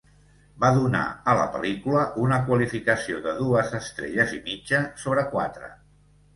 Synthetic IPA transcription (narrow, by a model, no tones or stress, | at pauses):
baðuna̰ələ̰pə̰likuləʔunəkwəlifikəsioðəðuəzəst̪ɾḛʎəzimid͡ʒəsoβɾəkwa̰t̪ɾə̰